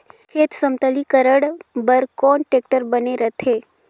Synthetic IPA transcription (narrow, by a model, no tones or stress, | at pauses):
kʰeːt̪səmt̪əlikəɾəɽbəɾkɔːnʈek̚ʈəɾbəneɾət̪ʰe